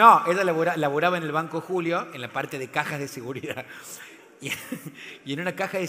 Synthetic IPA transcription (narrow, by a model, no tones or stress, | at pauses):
oeʒalaβoɾaelaβoɾaβaene̞lβaŋkoxuljo̞enlapaɾt̪e̞ðe̞kaxazðeseɣuɾiða | i | ie̞nunakaxaðe